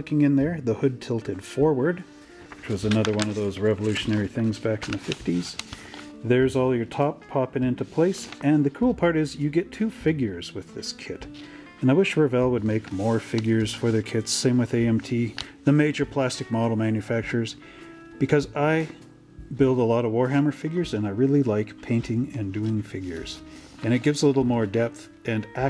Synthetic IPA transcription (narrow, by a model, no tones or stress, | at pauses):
kɪ̃ŋɨ̃nðə˞ðəhʊd̚tʰɪlˠtʰɨd̥fɔɹwə˞d̪̚ | wɨt͡ʃwʌzɨnʌðə˞wʌ̃nʌvðoʊzɹɛvəlʉʃɨnɛɹiθɪ̃ŋzbækn̩ðɨfɪftiz̥ | ðə˞zɔlˠjə˞tʰɑpʰɑpɪ̃ŋɪ̃ntʉpʰl̥eɪsɨ̃nðɨkʰɹ̥ul̩ˠpʰɑɹɾɪzjɨɡɛtʰʉfɪɡjə˞zwɨðɪskʰɪɾ | ɨ̃naɪwɪʃɹɨvɛlˠwəd̚meɪkmɔɹfɪɡjə˞z̥fə˞ðə˞kʰɪdz̥sẽɪ̃mwɨðeɪɛ̃mtʰiðɨmeɪd͡ʒə˞pʰl̥æstɨk̚mɑɾl̩ˠmæ̃njɨfæk̚t͡ʃə˞z̥ | b̥ɨkʰʌzaɪ | bɪlˠdəlɔɾʌvwɔɹɦæmə˞fɪɡjə˞zɨ̃naɪɹɪlˠilaɪkpʰẽɪ̃ntʰɪ̃ŋɨ̃ndʉɪ̃ŋfɪɡjə̰˞z̥ | ɨ̃ɾ̃ɨt̚ɡ̥ɪvzəlɪɾl̩ˠmɔɹdɛp̚θ | ʔɨ̃nʔæ